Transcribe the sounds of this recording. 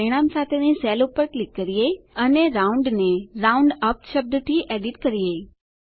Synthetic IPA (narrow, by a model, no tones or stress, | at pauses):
ɾiɽ̃amsat̪ʰenisɛlupəɾklikːəɾiəiəneɾauɳɖneɾauɳɖəpʃəb̚d̪t̪ʰiʔeɖiʈkəɾijəi